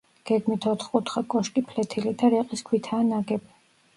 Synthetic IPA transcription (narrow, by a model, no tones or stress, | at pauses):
ɡ̥ɛɡmit̪ʰɔt̪ʰχkʼut̪χakʼɔʃkʼipʰlɛt̪ʰilid̪aɾɛqʼiskʰwit̪ʰaːnaɡɛbi